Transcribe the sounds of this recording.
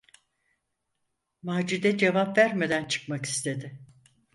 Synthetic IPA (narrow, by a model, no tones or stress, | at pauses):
maːd͡ʒud̪ɛd͡ʒevapvæɾme̞d̪ænt͡ʃʰɯ̥kmaki̥st̪ʰe̞d̪ɪ